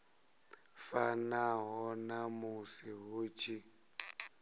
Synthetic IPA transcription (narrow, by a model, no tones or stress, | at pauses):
fanaɦɔnamusiɦuːt͡ʃʰi